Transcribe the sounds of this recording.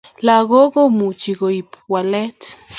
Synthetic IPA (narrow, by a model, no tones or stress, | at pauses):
laɣoɣomut͡ʃiɡoipwalet̪